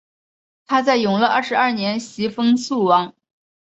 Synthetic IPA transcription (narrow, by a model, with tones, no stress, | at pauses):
t̪ʰa˥t͡sa˥˩ɪjʊ˨˩ŋlə˧ʔɐ̰˥˩ʂɻ̩˧˥ɐ˥˩njɛ˧˥nɕi˧˥fɤ˥ŋsu˥˩wɑ˧˥ŋ